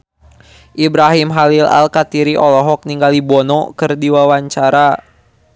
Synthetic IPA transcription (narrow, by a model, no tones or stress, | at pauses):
ʔibɾaɦimɦalila̰lkat̪iɾiʔɔlɔɦɔk̚niŋɡalibɔnɔkɨrdiwawaɲt͡ʃaɾa